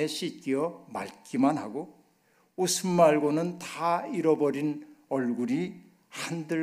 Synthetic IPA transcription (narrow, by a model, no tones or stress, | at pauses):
eɕʰik͈ijʌma̰ɭk͈imanɦaɡo | usʰɯnmaɭɡonɯnt̪aiɾʌbʌɾinʌɭɡuɾi | handɯ